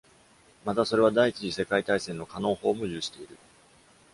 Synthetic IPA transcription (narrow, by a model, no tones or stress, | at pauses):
mat̪aso̞ɾe̞β̞ad̪ait͡ɕiʑise̞kait̪aisẽ̞nːo̞kano̞ːho̞ːmo̞jɨːɕi̥t̪e̞iɾɯ̟